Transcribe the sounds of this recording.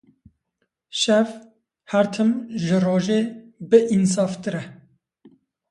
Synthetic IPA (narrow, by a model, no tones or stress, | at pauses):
ʃɛv | hæɾt̪ʰɨmʒɨroːʒeːbɨʔins̬ɑːft̪ɨɾɛ